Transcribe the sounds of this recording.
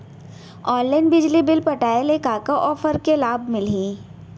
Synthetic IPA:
ɔːnlaɪnbɪd͡ʒlibɪlpɐʈaːelekaːkaʔɔːfəɾkelaːbmɪliː

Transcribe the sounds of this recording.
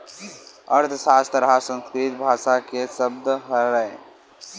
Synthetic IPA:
əɾt̪ʰsaːst̪əɾasə̃nskɾit̪̚bʱaːʃakesəb̚d̪ɦəɾəe

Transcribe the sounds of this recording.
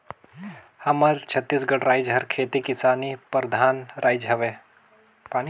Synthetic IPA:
hɐmɐɾt͡ʃʰɐt̪ːiːsɡɐɽɾaːɪd͡ʒɦɐɾkʰeːt̪ikɪsaːnipɾd̪ʱaːnɾʔaːjd͡ʒɦɐʋe | paːni

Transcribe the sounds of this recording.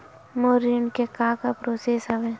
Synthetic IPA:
moɾiɳkekãːkapɾoːseːsɦɐʋe

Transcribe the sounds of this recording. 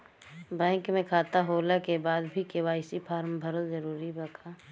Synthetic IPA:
bɛ̃ːŋkmẽkʰaːt̪aɦoːlakebaːd̪bʱikewaːɪsipʰaːɾmbʱəɾozəɾuːɾibɐkʰaː

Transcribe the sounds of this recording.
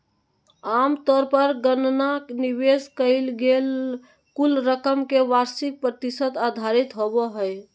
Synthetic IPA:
amt̪ɔɾpəɾɡənnakniʋeskəɪlɡel | kulɾəkəmkeʋaɾsik̚pɾət̪isət̪ad̪ʱaɾit̪ɦobɔɦəj

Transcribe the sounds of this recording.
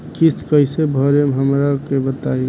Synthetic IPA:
kist̪ʰkəɪsebʱɔɾemɦəmɾakebət̪ai

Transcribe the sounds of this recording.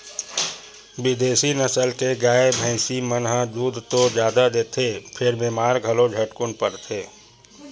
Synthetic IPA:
bɪd̪eːsinəsəlkeɡaːebʱɛ̃ːsimənɦãd̪uːd̪ʱt̪od͡ʒjaːd̪ad̪eːt̪ʰepʰɪɾbeːmaːɾɡʱəlod͡ʒʱəʈkʊnpəɾt̪ʰeː

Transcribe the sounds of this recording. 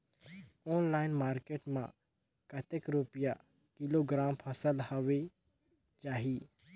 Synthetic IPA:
oːnlaːɪnmaːɾkeːʈmã̰ | kət̪ekɾupɪja | kiloɡɾaːmpʰɐsəlhəʋe | t͡ʃaːɦiː

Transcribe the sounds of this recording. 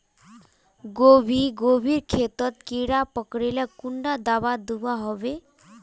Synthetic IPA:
ɡoʋiːɡoʋiːɾkʰet̪ət̪̚kiɽapəkɽeljakuɳɖad̪aʋad̪uʋaɦoʋe

